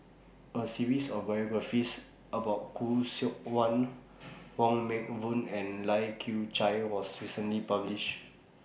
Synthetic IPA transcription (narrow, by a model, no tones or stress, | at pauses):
əsiɹisɔfbajɔɡɹafis | əbaʊt̚kʰusik̚wãn | ɹɔ̃ŋmɛk̚vũnɛ̃nlajkʰut͡ʃajwɔsɹisə̃nlipabliʃ